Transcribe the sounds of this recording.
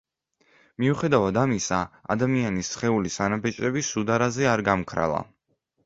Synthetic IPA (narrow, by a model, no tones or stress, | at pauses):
miuχɛd̪avad̪amisaa̰d̪amianisχɛulisanabɛt͡ʃʼɾɛbisud̪aɾazɛaɾɡamkʰɾa̰lˠa̰